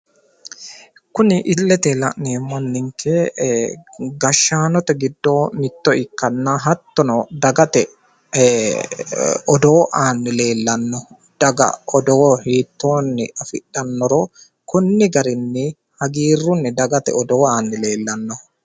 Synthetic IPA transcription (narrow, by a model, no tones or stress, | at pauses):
kʊnɪʔɪlːɛt̪ɛlɐ̰ʔneːmɐnːɪŋkʰeː | ɡɐʃːaːnɔt̪ɛɡɪd̪ːo̞ːmɪt̪ːɔɪkːɐnːaːɦɐt̪ːɔnɔd̪ɐɡɐt̪ɛ | ɔd̪oːʔaːnːɪle̞ːlːɐnːɔ | d̪̥ɐɡɐ̰ɔd̪oːhiːt̪ːo̞ːnːɪ̰ɐfɪᶑːɐnːɔɾoː | kʊnːɪɡɐɾɪnːɪ | hɐɡiːrːʊnːɪd̪ɐɡɐt̪ɛ̰ɔd̪oːaːnːɪle̞ːlːɐnːɔ